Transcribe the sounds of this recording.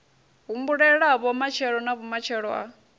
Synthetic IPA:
ɦumbuɺɛɺaβɔmat͡ʃʰɛɺɔnaβɔmat͡ʃʰɛɺwa̰

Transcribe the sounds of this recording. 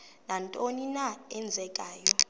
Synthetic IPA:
nantʼoninaɛnd͡zʱɛkʼaːjɔ

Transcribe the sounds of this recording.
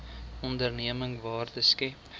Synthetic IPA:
ɔndərniəməŋvɑːrdəskɛp

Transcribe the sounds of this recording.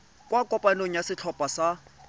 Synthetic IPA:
kʼwakʼɔpʼanoŋ̩jasɪt͡ɬʰɔpʼasa

